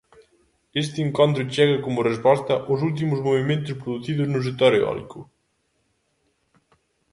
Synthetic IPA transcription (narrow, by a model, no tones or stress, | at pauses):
est̪ɪːŋkont̪ɾʊt͡ʃɛɣɐkomʊrespɔst̪ɐʔʊs̬ult̪̬imʊzmoβimẽnt̪ʊspɾoðuθiðʊznʊs̬et̪oɾeɔ̰lḭkʰʊ